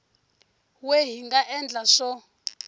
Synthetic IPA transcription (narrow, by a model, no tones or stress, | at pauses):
weɦiŋɡaʔɛnd͡ɮʱaʂɔ